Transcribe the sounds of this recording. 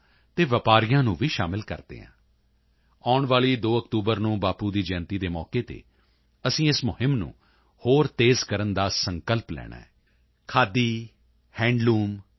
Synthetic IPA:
t̪eːʋəpaːɾijãːnũːʋiːʃa̰ːmɪlkə̰ɾd̪ḛːɦã̰ː | aːʊɳʋaːɭiːd̪oːəkt̪uːbəɾnũːbaːpuːd̪iːd͡ʒɛːnt̪iːd̪eːmɔ̰ːkeːt̪ḛː | əsĩːɪsmʊhɪmnṵ̃ː | hoːɾt̪eːzkəɾənd̪aːsəŋkəlplɛ̰ːɽ̃a̰ːɛː | kʰaːd̪iː | hɛ̃ːɳɖluːm

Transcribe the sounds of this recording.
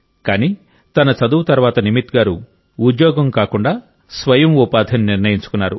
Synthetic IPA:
kaːniː | t̪ɐnɐt͡ʃɐd̪uwt̪ɐɾʋaːt̪ɐnimit̪ɡaːɾu | ud̪jɔːɡɐmkaːkuɳɖaː | sʋɐjɐmupaːd̪ʱɐnniɾnɐjiɲt͡ʃu̥kunːaːɾu

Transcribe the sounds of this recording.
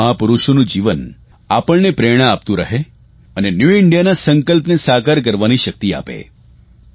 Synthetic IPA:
ãpuɾuʃonũd͡ʒiʋən | apəɭnepɾeɽ̃aːp̚t̪ũɾəɦe | ənenjuɪɳɖijanasəŋkəlpnesakaɾk̬əɾʋaniʃək̚t̪ia̰pḛ

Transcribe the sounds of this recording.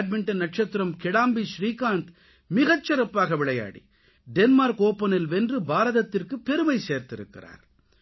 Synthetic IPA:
ɖ̚mɪɳʈɐnɐʈ̚t͡ʃɐt̪ːɪɾɐmkɪɽaːmbiʃɾiːkaːnt̪ | mɪɣɐt͡ʃːɐɾɐpːaːɣɐʋɪɭɐja̰ːɽḭ | ɖɛnmaːɾkoːpːɐnɪlʋɛndrɯbaːɾɐðɐt̪ːɪrkɯpːɛɾɯmɐɪseːɾt̪ɪɾɯ̰kːɪ̰ra̰ːɾ

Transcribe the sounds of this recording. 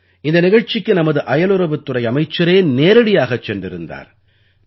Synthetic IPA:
ɪnd̪ɐnɪɣɐɻt͡ʃɪkːɯnɐmɐðɯʔɐjɐlɯɾɐʋɯt̪ːɯrɐɪɐmɐɪt͡ʃːɐɾeːneːɾɐɽɪjaːɣɐt͡ʃːɛndrɪɾɯnd̪a̰ːɾ

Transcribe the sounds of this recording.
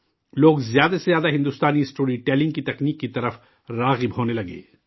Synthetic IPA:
loːɡzjaːd̪asezjaːd̪aɦɪ̃nd̪ust̪aːniɪsʈoːɾiʈɛːlɪ̃ŋɡkit̪ɐkniːkːit̪ɐɾəf | ɾaːɣɪbɦoːnelɐɡḛː

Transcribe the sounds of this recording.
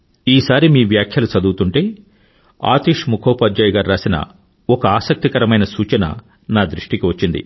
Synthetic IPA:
iːsaːɾimiːʋjaːkʰjɐlut͡ʃɐd̪uːt̪uɳʈe̞ː | a̰ːt̪iːʂmukʰɔːpaːd͡ʒɐjɡaːɾɾaːsinɐ̰ | ɔkɐaːsɐk̚t̪ikɐɾɐmɐjnɐsuːt͡ʃɐnɐ̰ | naːd̪ɾiʂʈikiʋɐt͡ʃːind̪ḭ

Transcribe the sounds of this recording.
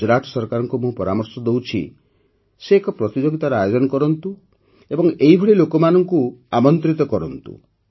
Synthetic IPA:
ɔɾaʈʰɔ̥sɔɾkaɾɔŋkumũpɔɾamɔɾsɔd̪owt͡ʃʰḭ | seːkɔpɾɔt̪id͡ʒoɡit̪aɾɔajod͡ʒɔnɔkɔɾɔnt̪u | ebɔŋeɦibʱɔɽilokɔmanɔŋkuamɔnt̪ɾit̪ɔkɔɾɔnt̪ṵ

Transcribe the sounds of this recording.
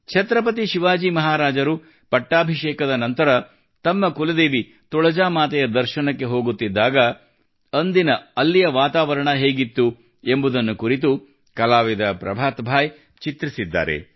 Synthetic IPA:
t͡ʃʰɐt̪ɾɐp̬ɐt̪̬iʃiʋaːd͡ʒiːmɐɦaːɾaːd͡ʒɐɾu | pɐʈːaːbʱiʃeːkɐd̪ɐnɐnt̪ɐɾɐ | t̪ɐmːɐkulɐd̪e̞ːʋi | t̪ɔɭɐd͡ʒaːmaːt̪ɛjɐd̪ɐɾʃɐnɐkːe̞ɦo̞ːɡut̪ːid̪ːaːɡɐ | ɐnd̪inɐɐlːijɐʋaːt̪aːʋɐɾɐɳɐɦe̞ːɡit̪ːu | e̞mbud̪ɐnːukuɾit̪̬u | kɐlaːʋid̪ɐpɾɐ̰bʱaːt̪bʱaːj | t͡ʃit̪ɾisid̪ːa̰ːɾe̞̰

